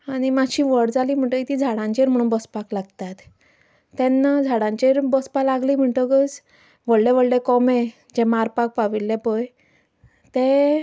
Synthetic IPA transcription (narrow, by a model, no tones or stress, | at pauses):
aɽ̃imaɕʰiːʋəɽd͡zaliːm̤əɳʈ̪əit̪iːd͡zʱaɽãɲt͡ɕeɾm̤əɽũːnbɔspaklaɡt̪at̪ː | ɛ̃nːad͡zʱaɽãɲt͡ɕeɾbɔspalaɡliːm̤əɳʈəɡət͡s | ʋəɭɽɛʋəɭɽɛkɔme | d͡ʑɛ̃maɾpak̚paʋilːɛpəj | t̪e